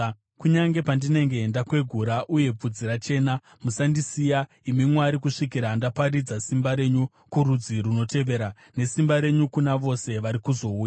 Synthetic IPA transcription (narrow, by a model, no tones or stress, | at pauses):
kuɲaŋɡe̞pandine̞ŋɡe̞ːndakwe̞ɡʱuɾaʔuje̞p͡fud͡ziɾat͡ʃe̞ːna | musandisija | imimwaɾikuʂikiɾaːndapaɾid͡zasimbaɾe̞ɲu | kuɾud͡ziɾuno̞te̞ʋe̞ɾa | ne̞simbaɾe̞ɲukunaʋo̞se̞ʋaɾikuzo̞uːj